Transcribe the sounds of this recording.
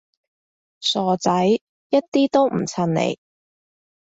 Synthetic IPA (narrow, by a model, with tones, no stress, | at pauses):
sɔː˨˩t͡sɐ˨˥j | jɐ˥t̚t̪iː˥t̪o˥wm̩˨˩t͡sʰɐ˧nnḛ˨j